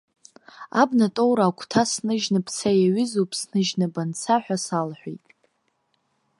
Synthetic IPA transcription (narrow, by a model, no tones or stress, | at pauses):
abnatʼowɾaːkʷʰtʰasnɨʒnɨpʰt͡sʰajaɥɪzowpʰʼsnɨʒnabant͡sʰaħʷᶣasalħʷḛjtʼ